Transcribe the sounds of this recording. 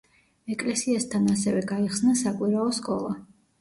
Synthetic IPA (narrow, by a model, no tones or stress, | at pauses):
ɛkʼlɛsiast̪ʰanasɛvɛɡaiχsnasakʼwiɾaɔskʼɔlˠa